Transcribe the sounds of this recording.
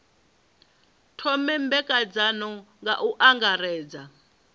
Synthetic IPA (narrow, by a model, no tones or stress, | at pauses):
tʰɔmɛmbɛkʼad͡zanɔŋɡaʔuʔaŋɡaɾɛːd͡za